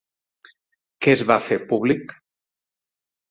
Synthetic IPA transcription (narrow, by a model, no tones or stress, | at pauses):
kɛzβafepuβlik